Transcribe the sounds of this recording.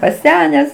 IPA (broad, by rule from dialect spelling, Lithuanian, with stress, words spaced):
pɐˈsʲæːnʲæːs